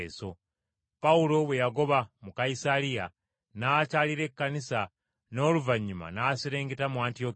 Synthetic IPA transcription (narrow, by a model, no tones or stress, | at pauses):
so | paulo̞βwejaɡo̞βamukaisalija | nat͡ʃaliɾe̞kːanisa | no̞ːluvaɲːuma̰nasiɾeːŋɡetamuantiok